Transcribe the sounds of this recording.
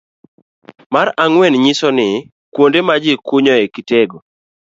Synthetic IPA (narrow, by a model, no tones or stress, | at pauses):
maɾaŋwɛnɲisɔnɪ | kwondemad͡ʒɪkʊɲɔekiteɡo